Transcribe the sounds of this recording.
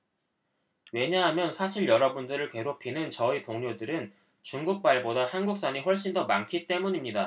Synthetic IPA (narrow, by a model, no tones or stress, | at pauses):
we̞ɲaɦamjʌnsʰaɕʰiɭjʌɾʌbundɯɾɯɭke̞ɾok̚pʰinɯnt͡ɕʌitoŋɲodɯɾɯn | t͡ɕuŋɡuk̚p͈aɭbodahanɡuk̚s͈aɲiɸwʌɭɕ͈indʌmankʰit͈e̞muɲimɲida